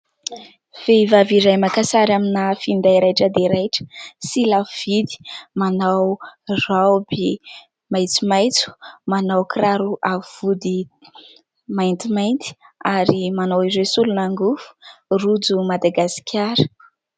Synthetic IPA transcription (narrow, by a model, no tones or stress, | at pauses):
v̥eivaviɾajmakasaɾaminafind̪aiɾajʈ͡ʂəd̪eɾajʈ͡ʂə̥silav̥id̪i̥manawrawbe | majt͡sumajt͡su̥manawkraɾuʔavud̪i | majnt̪imajnt̪i̥aɾimanawizesulunaŋɡufu̥rud͡zumad̪aɡasi̥kʲʰaɾə̥